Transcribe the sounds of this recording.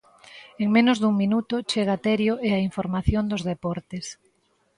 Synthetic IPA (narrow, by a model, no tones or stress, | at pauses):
eŋmẽnʊzðuŋminut̪ʊt͡ʃeɣat̪ɛɾjoʔeaiɱfoɾmaθjond̪ozðepɔɾt̪es